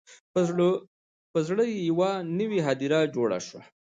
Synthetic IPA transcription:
pəzɽəjejawanəwiɦad̪iɾad͡ʒoɽa̰ʂwa

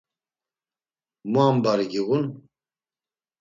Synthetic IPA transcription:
muaːmbaɾiɡiɣun

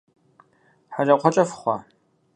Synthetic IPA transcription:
ħarɐqʷʰɔt͡ʃʼɐfχʷɑ

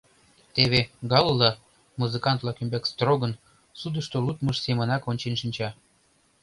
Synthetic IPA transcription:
t̪eβeɡɑlːɑ | muzɨkɑnt̪lɑkymbekst̪roɡə̆n | sud̪əʃt̪olut̪məʃsemənɑkonʲt͡ɕenʃinʲt͡ɕɑ

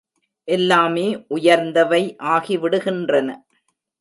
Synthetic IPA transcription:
ʔɛlːaːmeːʔʊjɐɾnd̪ɐʋɐɪʔaːɣiʋɪɽɯɣɪndrɐnɐ

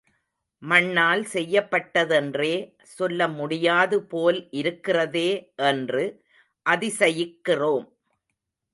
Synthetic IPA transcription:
mɐɳːaːlsɛjːɐpːɐʈːɐðɛndreː | sɔlːɐmʊɽɪjaːðɯpoːlʔɪɾɯkːɪrɐðeːʔɛndrɯ | ʔɐðɪsɐjɪkːɪroːm

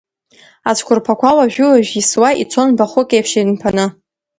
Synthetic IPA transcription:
at͡ʃʷʰkʷʰʊrpʰakʷʰawaʒᶣʊlaʒᶣiswaʔit͡sʷʰonbaχʷʊkʼejpʰʃidɨnpʰanɨ

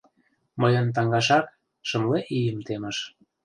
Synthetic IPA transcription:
məjə̆nt̪̬ɑŋɡɑʃɑk | ʃɤ̆mleʔijəmt̪emə̆ʃ

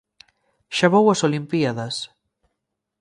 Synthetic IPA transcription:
ʃaβowɐsolimpiaðɐs

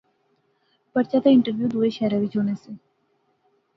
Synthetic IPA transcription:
pəɾt͡ʃat̪aɪ̃ɳʈəɾʋjuːd̪uːeʃɛːɾaʋid͡ʒoːnesẽ

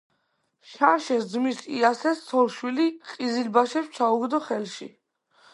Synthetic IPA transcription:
ʃaɾʃɛsd̪zmisḭasɛst̪sʰɔlˠʃwiliqʼizilbaʃɛpst͡ʃʰauɡd̪ɔχɛlʃḭ

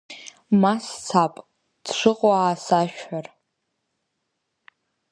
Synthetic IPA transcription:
mast͡sʰapʼ | d̥ʂʷɨqʼwaːsaʃᶣħar

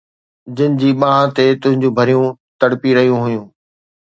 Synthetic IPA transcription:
d͡ʑɪnɪ̆d͡ʑiːɓãːɦãt̪et̪ʊ̃ɦɪ̃ɲd͡ʑũːbʱɐɾijũt̪ɐɽpiɾɐɦijũɦʊjũː

